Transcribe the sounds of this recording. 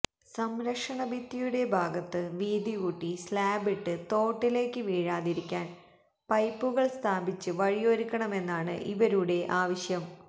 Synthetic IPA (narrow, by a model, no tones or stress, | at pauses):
sɐmɾɐkʂɐɳɐʋit̪ːijuɽe̞bʱaːɡɐt̪ːɨʋiːd̪iɣuʈːislaːbiʈːɨt̪o̞ːʈːile̞ːkːɨʋiːɻaːðiɾikʲːaːn | pɐjpːuɣɐɭst̪ʰaːbit͡ɕːɨʋɐɻijoɾukːɐɳɐme̞nːaːɳɨ̰ʔiʋɐɾuɽe̞ʔaːʋɐɕjɐm